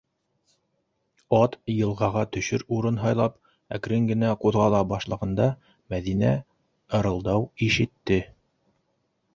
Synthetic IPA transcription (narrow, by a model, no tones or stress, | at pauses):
ɑt̪jɤ̆lˠʁɑʁɑt̪ɵ̆ʃɵɾuɾɤnɦɑjlˠɑp | æk̆ɾɘŋɡɘ̆næquðʁɑlˠɑbɑʃlˠɤ̆ʁɤ̆nd̪ɑ | mæðinæ | ɤ̆ɾɤ̆lˠd̪ɑwiʃɘ̆t̪ːɘ